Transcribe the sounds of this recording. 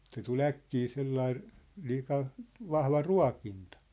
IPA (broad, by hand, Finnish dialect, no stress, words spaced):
se tul ækːiː selːɑi liːkɑ ʋɑhʋɑ ruɑ̝kintɑ̥